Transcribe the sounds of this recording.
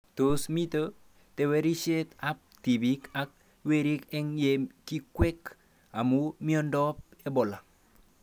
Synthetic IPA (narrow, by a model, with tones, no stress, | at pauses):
to˨smi˦t̪o˦ | te˨˦we˦ɾi˦ʃe˦t̪a˦p̚ti˨bi˦ka˦k̚ | we˦ɾi˦kɛ˦ŋje˨ki˦kwɛ˦k | a˨mu˦mi˦ɔ˦ndɔ˦p̚e˦bɔ˨la˨